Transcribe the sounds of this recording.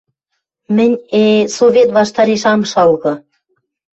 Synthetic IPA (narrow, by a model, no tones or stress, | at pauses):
mɘ̆nʲesovʲet̪βɑʃt̪ɑɾeʃɑmʃɑlɣɤ̆